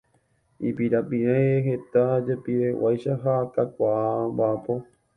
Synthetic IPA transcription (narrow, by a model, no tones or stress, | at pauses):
ipiɾapiɾeɦe̞t̪ad͡ʒepiɾewʔajʃaɦak̪akʷaabapo̞